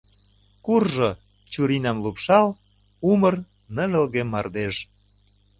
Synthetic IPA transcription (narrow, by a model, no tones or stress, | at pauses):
kurʒo | t͡ɕuɾinɑmlupʃɑl | umə̆r | nə̆lə̆lɣemɑrd̪eʃ